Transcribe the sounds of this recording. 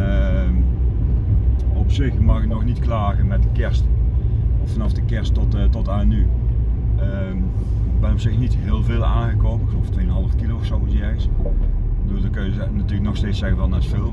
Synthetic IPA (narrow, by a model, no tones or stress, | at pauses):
əm | ɔpsɪxmɑxənɔxnitklaːɣəmɛt̚dəkɛrst | fɑnɑfdəkɛɹsttɔtany | ə | bɛnɔpsɪxnitɦɪːlˠveːlˠaːɣəkoːpəɪkxəloːftʋeːənɦɑlˠəfkilowɔxsowsjɛjs | bəduːlˠdɔkøjə | natyələknɔxsteːt͡ssɛɣənʋɛlˠnɛtfɪlˠ